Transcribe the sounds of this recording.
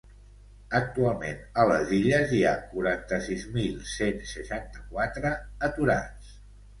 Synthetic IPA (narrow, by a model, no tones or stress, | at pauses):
ək̚t̪ualˠmḛnələ̰ziʎəzia̰kuɾant̪əsizmilˠsensəʃant̪əkwat̪ɾəːt̪uɾa̰t͡s